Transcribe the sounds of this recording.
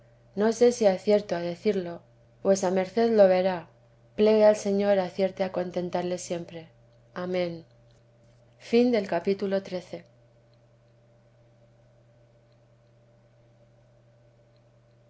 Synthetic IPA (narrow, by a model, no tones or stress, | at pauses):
no̞se̞siaθje̞ɾt̪oaðe̞θiɾlo̞ | pwe̞same̞ɾθe̞ðlo̞βe̞ɾa | ple̞ɣealse̞ɲo̞ɾaθje̞ɾt̪eako̞nt̪e̞nt̪aɾle̞sje̞mpɾe̞ | amẽ̞n | find̪e̞lkapit̪ulo̞t̪ɾe̞θe̞